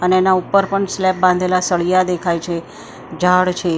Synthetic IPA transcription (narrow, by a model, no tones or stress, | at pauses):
əneːnaupəɾpəɳslɛp̚bãnd̪ʱelasəɭijad̪ekʰajt͡ʃʰe | d͡ʒʱaɭt͡ʃʰe